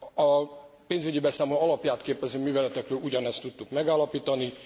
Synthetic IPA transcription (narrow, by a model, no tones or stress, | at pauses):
ɒpeːnzyɟibɛsaːmloɒlɒpjaːt̪keːpɛzøːmyːvɛlɛt̪ɛkrøːluɟɒnɛst̪ut̪ːukmɛɡaːlɒpiːt̪ɒni